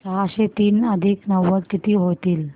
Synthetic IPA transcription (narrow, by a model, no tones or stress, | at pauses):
t͡saɕet̪iːnəd̪ʱiːknəʋːəɾkit̪iːɦot̪iːl